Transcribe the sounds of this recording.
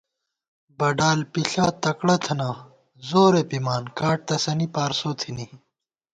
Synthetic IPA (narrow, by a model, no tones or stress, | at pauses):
bɐɖaːlpiɬaːt̪ɐkɽɐt̪ʰɐna | zoːɾepimaːnkaːʈ̚t̪ɐsɐnipaːɾsoːt̪ʰini